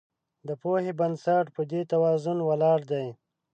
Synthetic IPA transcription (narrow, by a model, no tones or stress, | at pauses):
d̪əpohebansaʈpəd̪et̪awɑzʊnwalɑɽd̪aj